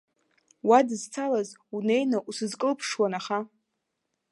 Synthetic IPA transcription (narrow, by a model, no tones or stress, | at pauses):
wadɨzt͡sʰalazune̞jnaʔusɨzkʼɨlpʰʂwanaχa